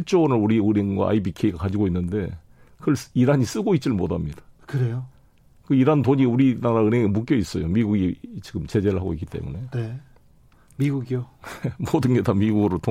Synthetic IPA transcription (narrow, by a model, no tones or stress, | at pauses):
iɭt͡ɕ͈onɯɭuɾiuɾinɡoa̰ibikʰe̞iɡakad͡ʑiɡoinːɯnde̞ | kɯɭsidaɲis͈ɯɡoit̚t͡ɕ͈iɯɭmodamɲidḁkɯɾejo | kɯidantoɲiuɾinaɾaɯneŋmuk̬͈jʌis͈ʌjomiɡuɡit͡ɕiɡɯmt͡ɕe̞d͡ʑe̞ɾɯɭɦaɡoik͈i̥t͈e̞̰mune̞ne | miɡuɡiomodɯnɡedamiɡuɡɯɾotʰo